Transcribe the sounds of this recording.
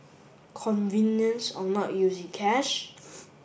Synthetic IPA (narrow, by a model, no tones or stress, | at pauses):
kʰɔ̃nvĩnjə̃nsɔ̃nɔʔjuzɪ̃ŋkʰɛʃ